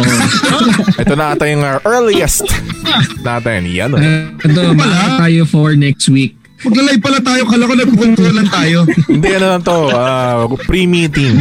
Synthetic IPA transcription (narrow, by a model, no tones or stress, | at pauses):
ʔɛt̪onaɐt̪ɐjʊŋaʔɛɹliɛst̪ | nat̪ɛnjɐ̰noɛt̪̬omɐlɐt̪aːjofoɹnɛk̚st̪wik̚ | mɐɡlɐlɐɪb̚pɐlat̪aːjokɐlɐkonɐɡ̚pʊkʊnt̪uɐnlɐŋt̪aːjoɪnd̪ɛɐnonɐnt̪oʔapɾimit̪ɪm